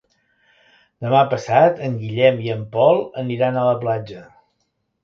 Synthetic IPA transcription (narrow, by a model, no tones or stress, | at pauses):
d̪əmapəsat̪əŋɡiʎɛmiəmpɔlˠəniɾanələplad͡ʒə